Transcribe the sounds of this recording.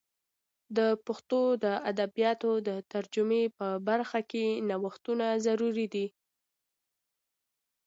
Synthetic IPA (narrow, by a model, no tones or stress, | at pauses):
d̪əpʊxt̪od̪əad̪abjɑt̪od̪ət̪aɾd͡ʒʊmepəbaɾxakenawəxt̪unazaɾuɾid̪i